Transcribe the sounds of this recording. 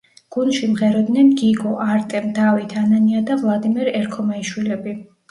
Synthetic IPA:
ɡ̥unʃimʁɛɾɔd̪nɛnɡiɡɔʔaɾt̪ʼɛmd̪avit̪ʰananiad̪avlˠad̪imɛɾɛɾkʰɔmaiʃwilɛbi

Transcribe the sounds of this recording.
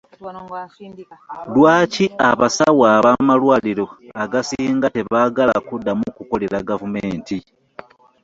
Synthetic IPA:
lwaːciaβasawaβamalwaːliɾo̞aɡasiːŋɡate̞βaɡala̰kudːamukuko̞le̞ɾaɡavumeːnti

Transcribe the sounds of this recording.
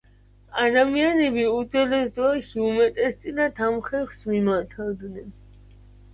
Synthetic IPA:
ad̪amianɛbiud̪zɛlɛsd̪ɔɛʃiumɛt̪ʼɛst̪sʼinat̪ʰamχɛχsmimaɾt̪ʰavd̪nɛn

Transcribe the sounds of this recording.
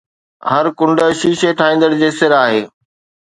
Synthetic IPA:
hɐɾkʊ̃ɳɖə̆ʃiːʃeʈʰaːĩːnd̪əɽd͡ʑeːsɪɾaːɦeː

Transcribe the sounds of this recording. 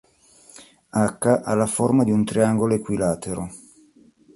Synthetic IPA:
akːaʔalːaformad̪iunt̪ɾiaŋɡoloekwilaːt̪ʰeɾo

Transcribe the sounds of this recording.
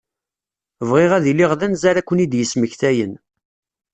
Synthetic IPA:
vʁɪʁæðilːiʁðænzaɾækʷːənid̪jəsməçθæjən

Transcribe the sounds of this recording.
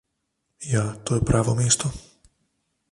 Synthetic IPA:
jat̪ɔjɛpɾʔaːʋɔmɪɛst̪ɔ

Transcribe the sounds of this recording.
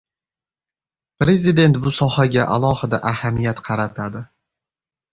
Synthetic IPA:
pɾe̞zid̪e̞nt̪bʊsɒhaɡʲaʔa̰lˠɒhɪd̪aʔahamijat̪qʰɑɾat̪ʰad̪ɪ

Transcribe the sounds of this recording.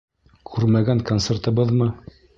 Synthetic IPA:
kʰʉɾmæɡæŋkont̪sert̪ɤ̆bɤðmɤ

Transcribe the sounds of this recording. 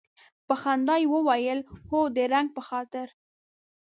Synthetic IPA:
pəxand̪ɑjwəwajəlhod̪əɾaŋɡ̚pəxɑt̪ɪɾ

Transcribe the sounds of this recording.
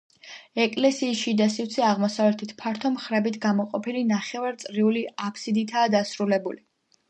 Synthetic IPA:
ɛkʼlɛsiːsʃid̪asivt̪sʰɛaʁmɔsavlɛt̪ʰit̪ʰpʰaɾt̪ʰɔmχɾɛbit̪ʰɡamɔqʼɔpʰilinaχɛvaɾt̪sʼɾiuliapʰsid̪it̪ʰaːd̪asɾulɛbuli

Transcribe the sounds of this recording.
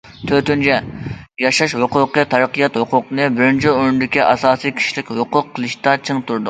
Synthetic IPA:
t̪ʰøt̪ynt͡ʃʰɛ | jɑʃɑʃhʊqʊqɨt̪ʰɑɾəqəjɑt̪hʊqʰʊqnɨbɪɾɪnt͡ʃʰioɾnɪd̪ɪkʲiʔɑsɑːsijkʲʰi̥ʃilɪkʲɦoqʊqʰːəlˠɨʃt̪ɑt͡ʃʰɪŋt̪ʰuɾd̪ʊ

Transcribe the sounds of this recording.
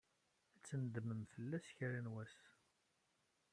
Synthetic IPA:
æt͡sːənd̪məmfəlːæsçɾænwæs

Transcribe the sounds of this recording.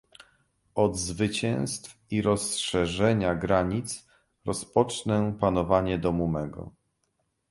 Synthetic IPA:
ɔd̪zvɘt͡ɕɛ̃w̃st̪f | iɾɔsʂɛʐɛɲaɡɾaɲit̪s | ɾɔspɔt͡ʂnɛpanɔvaɲɛd̪ɔmumɛɡɔ̰

